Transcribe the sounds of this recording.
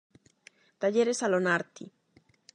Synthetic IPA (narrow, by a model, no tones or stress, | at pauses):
t̪aʝeɾesalonaɾt̪i